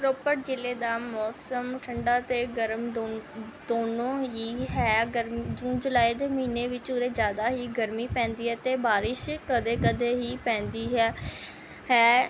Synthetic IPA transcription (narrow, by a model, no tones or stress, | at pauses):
ɾoːpəɾ̚d͡ʒɪleːd̪aːmɔːsəmʈʰəɳɖaːt̪eːɡəɾmo | d̪oːnõːɦiːɦɛːɡəɾmd͡ʒũːnd͡ʒʊlaːid̪eːməiːneːʋɪt͡ʃʊɾeːd͡ʒjaːd̪aːɦiːɡəɾmiːpɛ̃ːnd̪iːɦɛːt̪eːbaːɾɪʃkəd̪eːkəd̪eːɦiːpɛ̃ːnd̪iːɦɛː | hɛː